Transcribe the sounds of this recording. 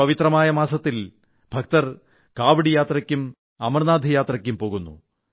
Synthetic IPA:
ɐʋit̪rɐmaːjɐmaːsɐt̪ːil | bʱɐk̚t̪ɐr | kaːʋiɽijaːt̪rɐkʲːum | ɐmɐrnaːd̪ʱijaːt̪rɐkʲːumpo̞ːɣunːṵ

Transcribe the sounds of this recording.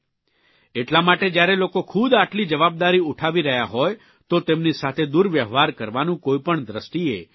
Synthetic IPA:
eʈlamaʈed͡ʒjaɾelokokʰud̪aʈlid͡ʒəʋab̚d̪aɾiuʈʰaʋiɾəɦjaɦɔj | t̪ot̪emnisat̪ʰed̪uɾʋjəʋaɾkəɾʋanũkoipəɳd̪ɾəsʈ̪iḛ

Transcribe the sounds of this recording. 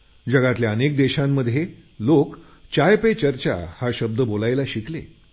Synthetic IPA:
d͡ʑəɡat̪ljaənek̚d̪eɕamːəd̪ʱjelok | t͡ɕajpet͡ɕəɾt͡ɕa̰haɕəb̚d̪əbolajlaɕiklḛ

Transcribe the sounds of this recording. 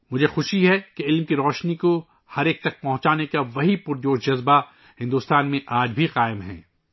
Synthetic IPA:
mʊd͡ʒʱexʊʃiɦɛkeɪlmkiɾɔːʃniko | hɐɾeːk̚t̪ɐk̚pɐ̃ɦʊ̃t͡ʃaːnekaʋɐɦipʊɾjoːʃd͡ʒɐzba | hɪ̃nd̪uːst̪aːnmẽʔaːd͡ʒbʱiqaːɪmɦɛ̰̃ː

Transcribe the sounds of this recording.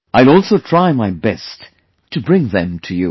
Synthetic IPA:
aɪlˠɔlˠsoʊtʰɹ̥aɪmaɪbɛst | tʰːɨbɹɪ̃ŋðɨ̃mtʰɨjṵ

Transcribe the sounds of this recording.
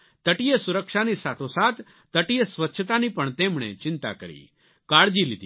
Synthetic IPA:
t̪ɐʈijesʊɾəkʃanisaːt̪ʰosaːt̪ː | ɐʈijesʋɐtːʃʰət̪anipɐɳt̪eːmɳ̃ḛt͡ʃɪ̃nt̪a̰kɐɾḭ | kaːɽd͡ʒilɪt̪i

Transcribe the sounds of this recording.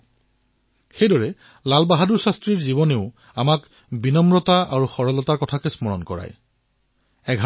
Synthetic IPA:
xejdɔɹɛ | lalbaɦaduɹsastɹiɹzibɔneʊ | amak | binɔmɹɔtaʔaɹuxɔɹɔlɔtaɹkɔtʰakɛsmɔɹɔ̰nkɔɹa̰j | ɛɡʱɦ

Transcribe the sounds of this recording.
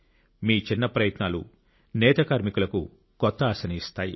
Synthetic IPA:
miːt͡ʃinːɐpɾɐjɐt̪naːlṵ | nɛːt̪ɐkaːɾmikulɐku | kɔt̪ːɐːsɐniːst̪aːjḭ

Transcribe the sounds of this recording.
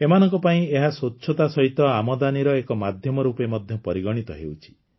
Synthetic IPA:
emanɔŋkɔpaĩeɦasotːʃʰɔt̪asɔɦit̪ɔamɔd̪aniɾɔekɔmad̪ʱjɔmɔɾupemɔd̪ʱjɔpɔɾiɡɔɽ̃it̪ɔɦḛwt͡ʃʰi̥

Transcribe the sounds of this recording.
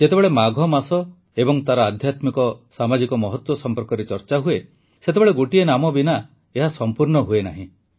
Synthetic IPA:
d͡ʒet̪ebeɭemaɡʱɔmasɔ | ebɔŋt̪aɾɔad̪ʱjat̪mikɔsamad͡ʒikɔmɔɦɔt̪wɔsɔmpɔɾkɔɾet͡ʃɔɾt͡ʃaɦue | set̪ebeɭeɡoʈienamɔbina | eɦasɔmpuɾnɔɦuena̰ɦĩ

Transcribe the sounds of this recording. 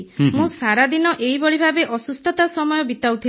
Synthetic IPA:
mũsaɾad̪inɔʔejbɔɭibʱabeʔɔsust̪ʰɔt̪asɔmɔjɔbit̪awt̪ʰi

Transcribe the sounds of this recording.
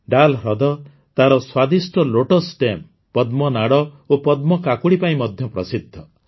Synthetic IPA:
ɖalɾɔd̪ɔ | t̪aɾɔswad̪isʈɔloʈɔsʈem | pɔd̪mɔnaɽɔ | opɔd̪mɔkakuɽipaĩmɔd̪ʱjɔpɾɔsid̪ʱːɔ

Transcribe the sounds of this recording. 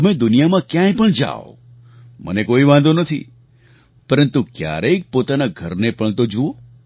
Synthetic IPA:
əmed̪ʊnijamãkjãjpəɳd͡ʒa̰o̰ | mə̰nekoiʋãnd̪onət̪ʰḭ | pəɾənt̪ukja̰ɾəik̚pot̪anaɡʱəɾnepəɳt̪od͡ʒuo

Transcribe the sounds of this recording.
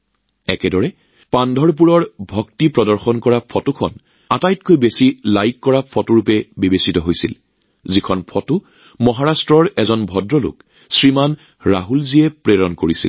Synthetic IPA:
ɛkɛdɔɹɛ | pandʱɔɹp̬uɹɔɹbʱɔktipɹɔdɔɹxɔnkɔɹapʰɔtukʰɔ̰n | atajt̚kojbesilajkːɔɹapʰɔtuɹupɛbibesitɔɦojsḭl | zikʰɔnpʰɔtʊ | mɔɦaɹastɹɔɹɛzɔnbʱɔdɹɔlʊ̰k | sɹiman | ɹaɦulziɛpɹeɹɔnkoɹisḭl

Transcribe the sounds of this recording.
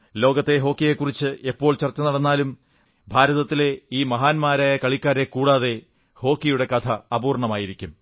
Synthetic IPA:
lo̞ːɡɐt̪ːe̞ɦo̞ːkːije̞kːurit͡ɕːɨʔepːo̞ːɭt͡ɕɐrt͡ɕːɐnɐɽɐnːaːlum | bʱaːɾɐðɐt̪ːile̞iːmɐɦaːnmaːɾaːjɐkɐɭikʲːaːɾe̞kuːɽaːðe̞ | ho̞ːkːijuɽe̞kɐt̪ʰɐːpuːrɳɐmaːjiɾikʲːum

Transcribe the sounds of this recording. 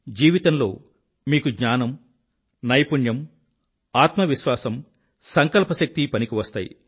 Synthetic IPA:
d͡ʒiːʋit̪ɐnlo̞̰ː | miːkuɡɲaːnɐm | nɐjpuɳjɐm | aːt̪mɐʋiʃʋaːsɐm | sɐŋkɐlpɐʃɐk̚t̪ipɐnikiʋɐst̪a̰ːjḭ

